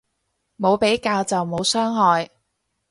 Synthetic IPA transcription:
mo˨˧wpe˨˥jkaː˧wt͡sɐ˨wmo˨˧wsœː˥ŋɦɔː˨˧j

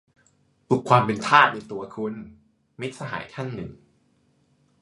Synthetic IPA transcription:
p̪u˨˩kʰwaː˧mpe˧nt̪ʰaː˥˩t̪̚na˧jt̪u˧ɐkʰu˧n | mi˦˥t̪̚sa˧ɦa̰ː˩˦jkʰa˥˩ŋnɯ̰˨˩ŋ

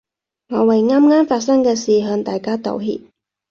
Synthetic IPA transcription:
ŋɔː˨˧wɐ˨jŋaː˥mŋaː˥mfaː˧t̚sɐ˥ŋkɛː˧siː˨ɦœː˨˧ŋt̪aː˨˩jkaː˥t̪o̰˨˧wɦḭː˧p̚

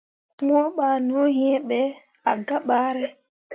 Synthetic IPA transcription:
ŋɔ˦ɓa˨no˦ɦi˦ɛ˦ɓɛ˨a̰˨ɡa˦ɓaː˦ɾɛ˦

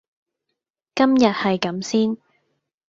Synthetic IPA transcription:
kɐ˥mjɐ˨t̚hɐ˨jkɐ˨˥msiː˥n

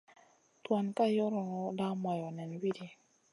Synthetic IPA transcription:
t̪wa˧nka˦jɔ˦ɾɔ˨ɔ˧la˦ma˨jɔ˨nɛ˨nwi˦di˨

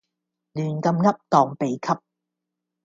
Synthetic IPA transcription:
lyː˨˩nkɐ˧mŋɐ˥p̚t̪ɔː˨ŋpe˨jkʰɐ˥p̚

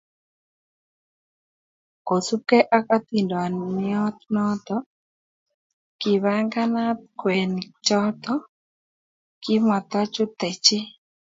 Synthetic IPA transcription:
ko˨su˦kɛ˦ʔa˦ka˦t̪i˨ndɔ˨a˨n˨mɪ˦ɔ˦t̪nɔ˦t̪ɔ˦ | ki˨βa˦ŋɡa˦na˦t̪̚kwɛ˨nt͡ʃɔ˦t̪ɔ˦ | ki˦ma˨t̪a˦t͡ʃu˦t̪ɛ˨t͡ʃɪ˦

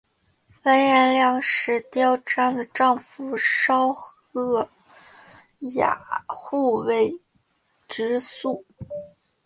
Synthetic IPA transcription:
fa˥njɛ˥˧nljɑ˥˧ŋʂɻ̩˧˥t̪jɑ˥ʊʈ͡ʂa˥˩nd̪ə˨˩ʈ͡ʂɑ˥˧ŋfu˧˩ʂɑ˥ʊx | ɤ˥˩ | ja̰˨˩xu˥˩we˧˥˩ɪ | ʈ͡ʂɻ̩˧˥su˥˩

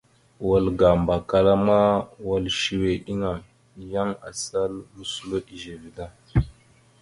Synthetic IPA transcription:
wa˨lɡa˨mba˨ka˨la˦ma˦wa˨lʃi˨we˨ʔi˦ŋa˨ | ja˦ŋa̰˨sa˦lɾu˦su˦lo˦ʔi˨ʒe˨vi˨da˦

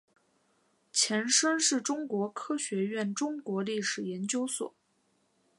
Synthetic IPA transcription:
t͡ɕʰjɛ˧˥nʂə˥nʂɻ̩˥˩ʈ͡ʂʊ˥ŋkwɔ˧˥kʰɤ˥ɕɥɛ˧˥ɥɛ˥˩nʈ͡ʂʊ˥ŋkwɔ˧˥li˥˩ʂɻ̩˨˩jɛ˧˥nt͡ɕjo˥ʊswɔ̰˨˩˦

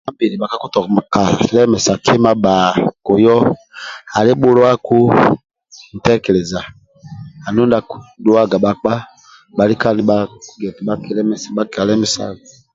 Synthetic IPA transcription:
a˦bi˨ɾi˨ɓa˨ka˦ku˦tɔ˨kɔ˨ma˨ka˨lɛ˦mɛ˨sa˨kʰe˦ma˦ɓaː˨ko˨jɔ˦ | a˨le˦ɓo˦lo˦a˦ku˦ | n̩˨tɛ˦kɛ˨lɛ˨za˨ | a˨nu˦nda˨ku˦do˦a˦˨ɡa˨ɓa˨k͡pa˦ | ɓa˨li˦ka˦ni˨˦ɓa˦ɡɛ˨ti˨ɓa˦ke˨˦lɛ˦mɛ˨sa˨ɓa˦ka˨lɛ˦mɛ˦sa̰˦˨ɡa˨

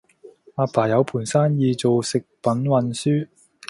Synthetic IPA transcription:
aː˧paː˨˩jɐ˨˧wpʰuː˨˩nsaː˥njiː˧t͡so˨wsɪ˨k̚pɐ˨˥nwɐ˨˧nsyː˥

